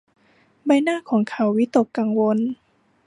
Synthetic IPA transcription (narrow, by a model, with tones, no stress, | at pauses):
ba˧jnaː˥˨kʰɔː˩˦ŋkʰa˧˩˦wːi˦˥t̪o˨˩kːa˧˩ŋwo˧n